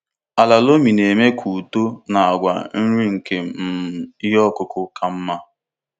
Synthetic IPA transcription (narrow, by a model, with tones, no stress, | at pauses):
a˨la˨lo˦mi˨ne˨me˦kʰu˨to˦na˨a˨ɡʷa̰˨n̩˦ɾi˦ŋ̩˨ke˨m̩˨i˦ɦɔ˦˨kʊ˦kʊ˦kʰa˦m̩˦ma˦